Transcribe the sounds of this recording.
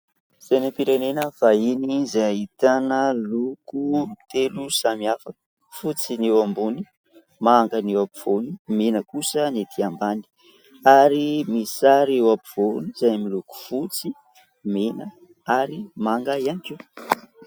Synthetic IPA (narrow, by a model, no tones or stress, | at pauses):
z̥ajnampiɾanenəfainizaaɦit̪anəlukut̪elusamiafə | fut͡sinewambuni | maːŋɡanewapiv̥onimenəkusənet̪ʰiambani̥ | aɾimisaɾewapiv̥oniz̥ajmiluku̥fut͡si | menə | aɾimaŋɡaianikiw